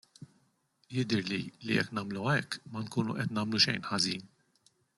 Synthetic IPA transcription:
jɪd̪ɪɾlilḭjɛ̰kːnɐːmluɐɛkːmɐŋkuːnuʔɛt̪nɐːmluʃɛjnħɐziːn

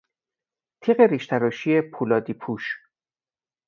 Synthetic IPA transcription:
t̪ʰiːɣeɾiʃt̪ʰæɾɔʃiːepʰuːlɒːd̪iːpʰuːʃ

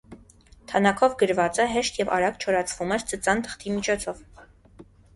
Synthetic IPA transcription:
t̪ʰɑnɑkʰɔvɡəɾvɑt͡səɦɛʃt̪jɛvɑ̰ɾɑɡt͡ʃʰɔɾɑt͡sʰvumɛɾt͡sət͡sɑnt̪ʰə̥χt̪ʰimit͡ʃʰɔt͡sʰɔv

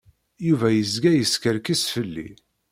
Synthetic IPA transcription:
juvæjəzɡæjəskəɾkisfəlːḭ

